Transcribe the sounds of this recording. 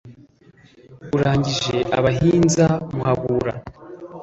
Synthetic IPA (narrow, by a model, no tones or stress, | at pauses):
uɾaːɲɟiʒe̞ʔa̰βaɦiːnzamuhaβuːɾa